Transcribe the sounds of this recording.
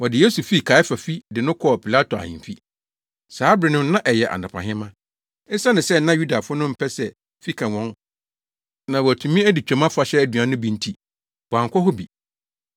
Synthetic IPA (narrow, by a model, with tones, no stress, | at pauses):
wɔ˨dɪ˨je˦su˨fi˦˨kʰa˨˦ɪ˦fa˨fi˦dɪ˨nʊ̃˦kʰɔ˦˨pʰi˨la˦to˨a̰˨hɪ̰̃˨fḭ˦ | saː˨˦bɾɪ˨nʊ̃˦m˦nã˦ʔɛ˨jɛ˨ʔa̰˨nã˨pʰã̰˨ɦɪ̃˦mã˦ | ɪ˦sa˦nɪ̃˨sɛ˦n̩˦nã˦ju˦da˨fʊ˦nʊ̃˦m̩˦pʰɛ˦sɛ˨ | fi˦kʰã˨wɔ̃˦n | nã˨wɔ˨æ˨tʰũ˨mĩ˦æ˦di˨t͡ɕᶣɛ̃˨mã˦fa˨ɕɛ˦æ˨dɥã˨˦nʊ̃˦bi˦n̩˦tʰi˦ | b̥ɔ˨ã˨ŋ˨kʰʷɔ˦ɦʊ˦bḭ˨